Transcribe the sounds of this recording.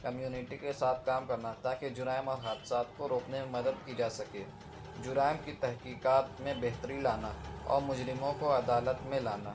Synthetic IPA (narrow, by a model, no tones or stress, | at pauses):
kəmjuːnɪʈikesaːt̪ʰkaːmkɐɾnat̪aːked͡ʒʊɾaːɪmɔːɾɦaːd̪saːt̪koɾoːknemẽmɐd̪əd̪̚kid͡ʒaːsɐkeː | d͡ʒʊɾaːɪmkit̪ɛɦkiːkaːt̪mẽbɛɦt̪əɾilaːnaɔ̰ːɾmʊd͡ʒɾɪmõkoɐd̪aːlət̪mẽlaːnaː